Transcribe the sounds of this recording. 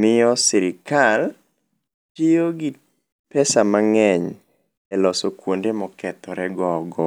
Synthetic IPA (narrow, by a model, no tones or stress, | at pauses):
mɪɔsiɾɪkal | tijoɡi | pɛsamaŋɛɲ | ɛlɔsɔkwondemɔkɛt̪ɔɾɛɡɔɡɔ